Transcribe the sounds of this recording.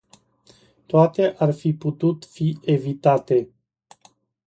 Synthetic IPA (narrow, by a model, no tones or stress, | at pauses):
t̪oat̪eʔarfiput̪ut̪fie̞vit̪at̪e̞